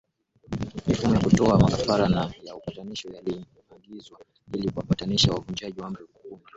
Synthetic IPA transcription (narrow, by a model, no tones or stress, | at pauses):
mifumujakutɔamakafaɾanajaupataniʃɔjali | aɡizwa | ilikuwapataniʃawavuɲd͡ʒaʄiwam̩ɾɛkuuna